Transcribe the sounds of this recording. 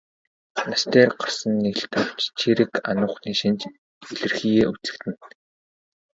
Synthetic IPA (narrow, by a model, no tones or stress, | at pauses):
nast̪eːrɢarsə̆nːeɮt̪aw̥t͡ɕt͡ɕʰiɾɘ̆ka̰nʊːχniːʃĭnt͡ɕ | eɮɘ̆rxiːɣeːut͡sɘ̥̆kt̪ɘ̆n